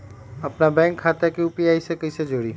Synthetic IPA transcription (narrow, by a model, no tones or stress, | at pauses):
ɐpnabɛ̃ːŋkʰːaːt̪akiuːpiaːisekɐised͡ʒoːɽiː